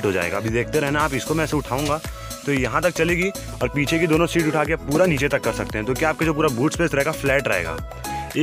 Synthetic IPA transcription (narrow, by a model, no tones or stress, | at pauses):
ʈɦod͡ʒa̰ːḛːɡa̰ːbʱizeːk̚ʰt̪eɾɦɛɦnaaːpɪskomɛ̃ɛːseʊʈʰaːũːŋɡaː | t̪ojɐɦãt̪ɐk̚t͡ʃɐleːɡiː | ɔːɾpiːt͡ʃʰekid̪oːnõsiːʈʊʈʰaːkeaːppuːɾaniːt͡ʃet̪ɐkːɐɾsɐk̚t̪ẽɦɛ̃t̪okjaːp̚kad͡ʒoːp̬uːɾabuːʈspeːsɾɐɦeːɡaflɛːʈɾɐ̰ɦḛːɡa̰ː | eː